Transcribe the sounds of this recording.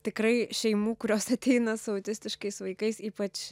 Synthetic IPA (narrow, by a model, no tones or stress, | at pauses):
t̪ʲɪkɾɐɪʃʲɛɪmuːkʊɾʲoːsɐt̪ʲɛɪnɐsʊɐʊt̪ʲɪsʲt̪ʲɪʃkɐɪsʋɐɪkɐɪsiːpɐt͡ʃ